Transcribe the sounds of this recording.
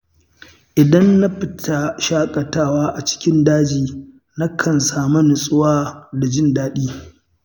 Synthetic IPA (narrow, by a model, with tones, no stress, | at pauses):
ʔɪ˨dɐ˦nːa˦ɸɪ˦tʰa˦ʃaː˦kʼɐ˨taː˦˨waː˦ʔa˨t͡ʃɪ̥˦kʲɪ˦ndaː˦d͡ʒiː˨ | na˦kʰɐ˨nsaː˨mɐ˦nɪ˨sʼʊ˦waː˦da˨d͡ʒɪ˦ndaː˦ɗiː˦